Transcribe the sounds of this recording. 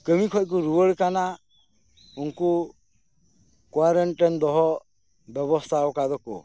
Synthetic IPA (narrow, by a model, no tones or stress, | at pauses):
kəmikʰɔk̬uɾuwəɭkana | unku | kwaɾəɳʈɛnd̪ɔɦɔ | bɛbɔst̪ʰaɔkad̪ɔkɔ̰